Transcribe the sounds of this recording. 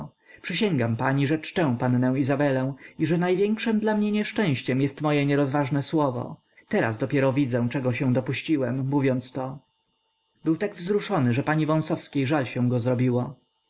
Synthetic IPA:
pʂɘɕɛŋɡampaɲiʐɛt͡ʂtɛ̃w̃pannɛ̃w̃izabɛlɛ̃w̃iʐɛnajvʲjɛŋkʂɛmd̪lamɲɛɲɛʂt͡ʂɛ̃w̃ɕt͡ɕɛmjɛst̪mɔjɛɲɛɾɔzvaʐnɛswɔvɔ̰ | t̪ɛɾa̰zd̪ɔpʲjɛɾɔvʲid̪zɛw̃t͡ʂɛɡɔɕɛ̃w̃d̪ɔpuɕt͡ɕiwɛmːuvʲjɔnt̪st̪ɔ | bɘwt̪aɡvzɾuʂɔnɘʐɛpaɲivɔ̃w̃sɔfskʲejʐalɕɛ̃w̃ɡɔzɾɔbʲiwɔ

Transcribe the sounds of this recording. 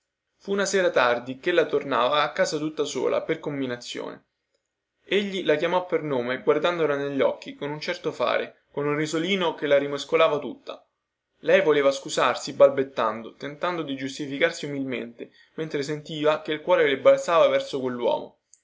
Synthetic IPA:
funaseːɾat̪ard̪ikelːat̪ornaːvaːkːaːzat̪ut̪ːaso̰ːla̰perkombinat̪sːjo̰ːnḛ | eʎːilakjamɔpːernoːmeɡward̪and̪olaneʎːɔk̟ːikonunt͡ʃɛrt̪ofa̰ːɾḛ | konunrizoliːnokelaɾimeskolaːvat̪ut̪ːa̰ | lɛjvoleːvaskuzarsibalbet̪ːand̪ot̪ent̪and̪od̪id͡ʒust̪ifikarsiumilmḛnt̪e | ment̪ɾesent̪iːvakeilkwɔːɾelebalt̪saːvavɛrsokwelːwɔ̰ːmo̰

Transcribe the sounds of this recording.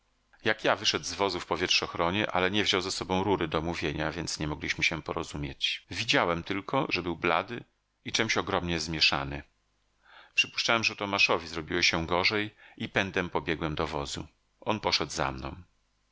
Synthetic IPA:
jakjavɘʂɛd̪zvɔzufpɔvʲjɛtʂɔxɾɔɲɛʔa̰lɛɲɛvʑɔwzasɔbɔ̃w̃ɾuɾɘd̪ɔmuvʲjeɲavʲjɛnt̪sɲɛmɔɡlʲiɕmɘɕɛpɔɾɔzumʲjet͡ɕvʲid͡ʑawɛmt̪ɘlkɔʐɛbɘwbla̰d̪ɘ | it͡ʂɛmɕɔɡɾɔmɲɛzmʲjɛʂa̰nɘ | pʂɘpu̥ʂt͡ʂawɛmʐɛt̪ɔmaʂɔvʲizɾɔbʲiwɛɕɛ̃ɡɔʐɛjipɛnd̪ɛmpɔbʲjɛɡwɛmd̪ɔvɔzṵ | ʔɔnpɔʂɛd̪za̰mnɔ̰̃w̃

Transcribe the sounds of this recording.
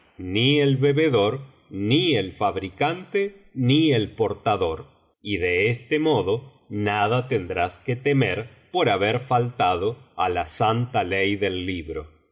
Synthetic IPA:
nielβeβeðo̞ɾ | nielfaβɾikant̪enielpo̞ɾt̪aðo̞ɾ | iðeest̪emoðo̞ | naðat̪e̞nd̪ɾasket̪emeɾ | po̞ɾaβeɾfalt̪aðoa̰lasant̪alejðelːiβɾo

